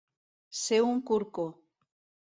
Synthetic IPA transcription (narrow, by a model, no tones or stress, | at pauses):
seuŋkuɾko